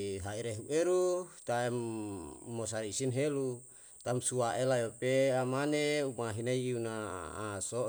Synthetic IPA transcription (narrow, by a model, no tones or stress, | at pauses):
ɦaiɾeɦuʔeɾut̪aɛmː | osaɾiisinɦelu | t̪amsuaʔelajopeamaneumaɦinaiiuna̰ːso